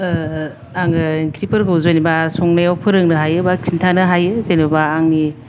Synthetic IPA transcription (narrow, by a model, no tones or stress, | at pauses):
aŋɯŋkʰɾipɯɾɡɯwzojnibasɔŋnajawpʰɯɾɯŋnɯɦajɯbakʰintʰanɯɦajɯzajnbabaːŋni